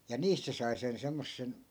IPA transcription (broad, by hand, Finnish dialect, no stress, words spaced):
jɑ niːst se sɑi sen semːosːen